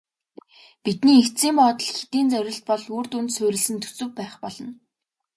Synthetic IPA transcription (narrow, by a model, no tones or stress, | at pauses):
pit̪niːek̪t͡siːmpɔːt̪ɞ̆ɮxi̥t̪iːnt͡sœɾʲɪ̆ɬt̪̚pɔɮuːrt̪unt̪sʊːɾʲɪ̆ɮsɘ̆nt̪ʰɵ̥sɵ̆w̚pæːχpɔɮɞ̆n